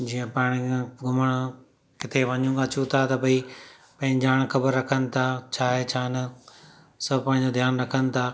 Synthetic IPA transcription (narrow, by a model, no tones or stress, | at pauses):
d͡ʑiːə̃paːɽ̃iɡʊməɽ̃ | kɪt̪ʰeʋɐɲũaːt͡ɕũt̪ʰat̪ɐbʱɐi | pɐ̃ːɪ̃ɲd͡ʑaːɽ̃xɐbəɾːɐkʰənɪ̆t̪ʰaːt͡ɕʰaːɦet͡ɕʰaːnə | sɐbʱpãːɪ̃ɲ̆d͡ʑod̪ʱjaːnɾɐkʰənɪ̆t̪ʰaː